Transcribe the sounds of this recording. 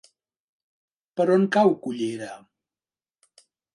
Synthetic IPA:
pəɾoŋkawkuʎeɾa

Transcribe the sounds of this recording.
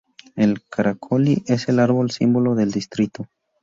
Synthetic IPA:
e̞lkʰaɾakʰoliʔe̞se̞laɾβo̞lsimbo̞lo̞ðe̞ld̪ist̪ɾit̪o

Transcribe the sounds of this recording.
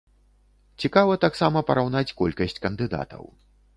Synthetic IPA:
t͡sʲikavɐt̪aksamɐpɐɾʔawnat͡sʲkɔlʲkɐsʲt͡sʲkɐnd̪ɨd̪a̰t̪ɐ̰w

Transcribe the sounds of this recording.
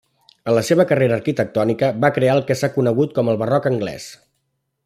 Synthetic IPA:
ələseβəkəreɾəːɾkit̪ək̚t̪ɔnikəbakɾeaəlˠkɛsakunəɣut̪̚kɔməlˠβərɔkəŋɡlɛ̰s

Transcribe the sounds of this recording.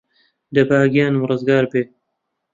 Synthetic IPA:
d̪ɐbaːɡijaːnɨwrɨzɡaːɾbeː

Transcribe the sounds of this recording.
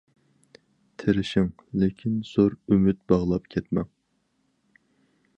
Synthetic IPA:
t̪ʰɪɾɪʃɪŋ | lɪkʲʰinz̥oɾymyt̪̚bɑʁlˠɑpkʲʰɛt̪mɛŋ

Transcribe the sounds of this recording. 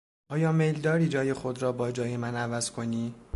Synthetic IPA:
ʔɒːjɒːmejld̪ɒːɾiːd͡ʒɒːje̞xo̞d̪ɾɒːbɒːd͡ʒɒːje̞mænævæz̥kʰo̞niː

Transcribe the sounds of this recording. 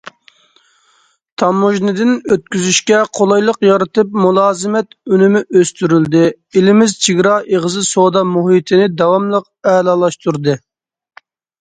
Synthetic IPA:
t̪ʰɑmːuʒnɨd̪ɪnøt̪̚kʲyzyʃkʲɛqʰolˠɑjlˠəqjɑɾɨt̪ɨpmulˠɑːzɨmɛt̪ønɪmɪʔøst̪yɾyld̪ɪ | ilɪmɪzt͡ʃʰiɡʲɾɑːʔeʁəzɨsod̪ɑmuɦit̪ʰɪnɪd̪ɑwɑmlˠəq̚ | ɛːlɑːlˠɑʃt̪uɾd̪ɨ

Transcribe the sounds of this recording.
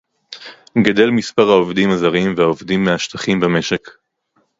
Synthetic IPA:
ɡad̪e̞lmispaʁhaovd̪imazaʁimvehaovd̪imːeaʃt̪aχimbame̞ʃek

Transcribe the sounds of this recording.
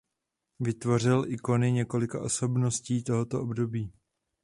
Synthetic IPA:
vɪt̪vo̞r̝ɪlʔɪko̞nɪɲɛko̞lɪkaʔo̞so̞bno̞sciːt̪o̞ɦo̞t̪o̞ʔobdo̞biː

